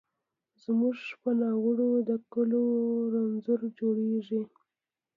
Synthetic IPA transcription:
zmuʐpənɑɣəɽod̪əkʊloɾanzʊɾd͡ʒoɽeʐi

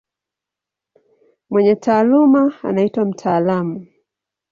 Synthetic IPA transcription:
mwɛɲɛtʰaːlumaa̰naitwam̩tʰaːlamu

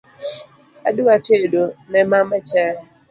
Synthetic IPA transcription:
a̰duatedonɛmamɛt͡ʃɛ

